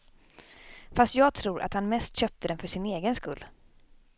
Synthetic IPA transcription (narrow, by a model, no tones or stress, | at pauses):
fast̪jɑːɡ̚t̪ʰɾuːɾʔa̰t̪hanmɛst̪ɕœp̚t̪əd̪ɛnfœʂɪneːɡənskɵlː